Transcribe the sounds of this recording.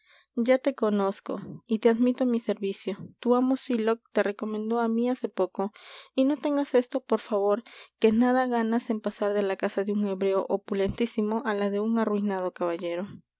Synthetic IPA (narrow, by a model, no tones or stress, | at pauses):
d͡ʒat̪e̞ko̞no̞sko̞̰it̪eaðmit̪omise̞ɾβisjo̞t̪uamo̞silo̞k̚t̪e̞re̞ko̞mẽ̞nd̪o̞amiase̞po̞ko̞ino̞t̪e̞ŋɡase̞st̪o̞po̞ɾfaβo̞ɾke̞naðaɣanase̞mpasaɾðe̞lakasaðeuŋe̞βɾe̞oʔopule̞nt̪isimo̞ʔalaðe̞uŋarwinað̞o̞kaβaʝe̞ɾo̞